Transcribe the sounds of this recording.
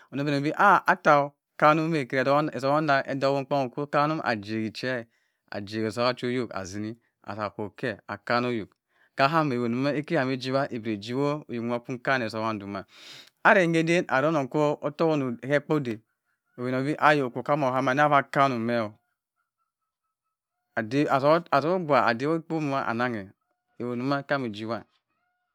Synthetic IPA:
o˨no˦be˨no˨bi˦ʔa˦a˦ta˨o˨ | ka˦nu˦me˦˨ke˨ɾe˨˦e˨so˨˦a˦n˦a˨ʔḛ˦do˦o˦k͡po˦ŋo˨ko˦ka˦nu˦ʔa̰˨d͡ʒe˨ɡi˨t͡ʃe˦˨ | a̰˨d͡ʒe˨ɡe˨so˨˦a˦t͡ʃo˦jo˦˨ka̰˨zi˨ni˦ | a̰˨sa˨kʷo˨ke˦a̰˨ka˦no˦jo˨k | ka˦ɦa˦me˨o˨nu˨ma˦e˦ki˦a˨me˦d͡ʒi˦βa˦ʔe˨bɾe˨d͡ʒi˦wo˦o˨jo˨˦˨a˨˦ku˦ka˦n˨e˨so˨wa˦n˨du˨ma˨ | a˦ɾe˨˦e˦de˦nʔa˨ɾo˦no˨ko˦o˦to˦ko˦nu˨ke˦k͡po˦de˨ | o˨be˨no˨bi˦ʔa˦jo˨kʷo˨ka˦mo˨ɦa˦ma˨˦n˦a˦βa˦ka˦nu˨me˦o˨ | a˨de˦a˨sa˨so˦o˦ɡʷa˨a˨de˦wo˦k͡po˦mu˦ma˦ʔa̰˨na˦ŋe˨ | e˨wo˨nu˦ma˦ka˦mi˨d͡ʒi˦wa˦

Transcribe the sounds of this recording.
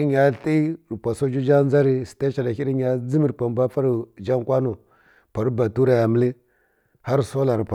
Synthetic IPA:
ɲa˦ɬi˦ɾpʷa˨so˦d͡ʒu˦d͡ʒa˦n˦d͡za˦ɾi˨si̥˨ta˦t͡ʃa˨na˨xi˦ɾi˦ɲa˦d͡zi˦mi˨ɾpa˨m˨ba˦fa˦ɾi˨d͡ʒa˦ŋkʷa˦nu˨ | pa˨ɾu˦ba˨tu˦ɾa˨ja˨mi˦li˦ | ha˦ɾso˦la˨ɾpʷa˨

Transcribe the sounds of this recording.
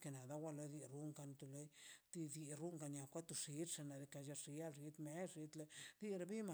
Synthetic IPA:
ke˧na˨d̪a˦wa˦lo˧˦d̪i˧ɾu˦ŋka˧nt̪u˧lo˦d̪i˧d̪i˧ɾu˦ŋka˧nja˧˨kʷa˦t̪u˧ʂi˨˦t̪ʂa˧na˨d̪e˧ka˧ʃa˧ʂi˧ja˦lʃi˧t̪me˦ʂi˧t̪le˧d̪i˦ɾa˧bi˦ma˨

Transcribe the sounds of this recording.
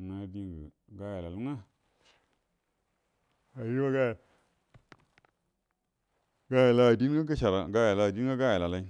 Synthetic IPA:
na˦di˦ŋɡə̰˨ | ɡa˦ja˨la˨lu˦ŋa˦ | a˨ji˦wa˦ɡa˦ja˨ | ɡa˦ja˨la˦˨di˦n˦ɡa˦ɡə˦ʃa˨ɾa˨ɡa˦ja˨la˨di˦ɡa˦ɡa˦ja˨la˨la˨i˦

